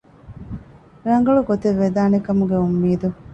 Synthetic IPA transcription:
ɾɐŋ̆ɡɐɭuɡot̪eʋːed̪aːnekɐmuɡeumːiːd̪u

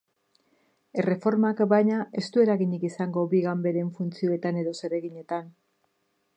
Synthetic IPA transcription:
e̞re̞fo̞ɾmakbajɲae̞st̪ue̞ɾaɣiɲikisaŋɡo̞biɣambe̞ɾe̞ɱfunt͡sio̞e̞t̪ane̞ðo̞se̞ɾe̞ɣiɲe̞t̪an

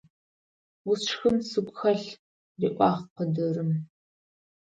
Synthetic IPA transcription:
wʊsxɨmsɨkʷʼxɐɬ | riʔʷɑːχqədɨrɨm

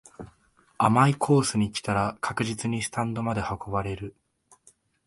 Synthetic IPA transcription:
amaikʰo̞ːsɨɲ̟ikʲi̥t̪aɾakakɯ̟ʑit͡sɨɲ̟isɨ̥t̪ãnd̪o̞mad̪e̞hako̞baɾe̞ɾɯ̟

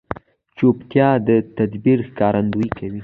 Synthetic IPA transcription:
t͡ʃopt̪jɑd̪ət̪ad̪biɾxkɑɾʔand̪ujikʰawi

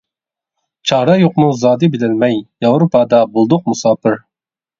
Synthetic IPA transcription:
t͡ʃʰɑːɾɑjoqmuzɑːd̪ɨbɪlɪlmɛjjɑwɾupʰɑd̪ɑbulˠd̪ʊq̚musɑːpɪɾ

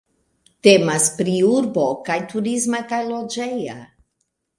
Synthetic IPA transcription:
te̞maspɾiuɾbo̞kajtuɾizmakajlo̞d͡ʒeja

